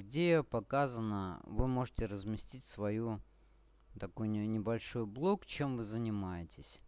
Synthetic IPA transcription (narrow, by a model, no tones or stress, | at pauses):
ɡdʲejopɐkazənəvɨmo̞ʐɨtʲɪrəzmʲɪsʲtʲitʲsvɐju | t̪ɐkojʲnʲɪbɐlʲʂo̞jblˠokt͡ɕe̞mvɨzənʲɪmajɪtʲɪsʲ